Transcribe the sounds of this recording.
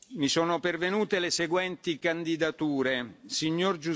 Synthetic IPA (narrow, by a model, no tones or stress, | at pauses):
misoːnopervenuːt̪eleseɡwɛnt̪ikand̪id̪at̪uːɾesiɲːord͡ʒu